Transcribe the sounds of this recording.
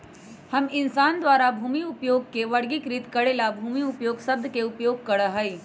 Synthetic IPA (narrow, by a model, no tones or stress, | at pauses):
hɐmɪnsaːnd̪waːɾabʱuːmiʊpjoːɡ̚keʋɐɽɡikɾɪt̪kɐɽelabʱuːmiʊpjoːɡsɐb̚d̪ʱkeʊpjoːɡ̚kɐɽəɦɐi